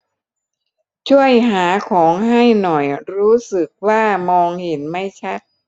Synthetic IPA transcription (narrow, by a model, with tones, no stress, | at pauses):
t͡ɕʰu˥˩əjɦaː˩˦kʰɔː˩˦ŋɦha˥˩jnɔ˨˩jɾuː˦˥sɯ˨˩k̚waː˥˩mɔː˧ŋhe˩˦nma˥˩jt͡ɕʰa˦˥t̪̚